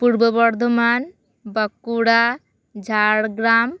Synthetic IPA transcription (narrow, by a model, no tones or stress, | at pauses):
puɾbəbɔɾd̪ʱoman | bəkːuɽa | d͡ʒʱaɽɡɾam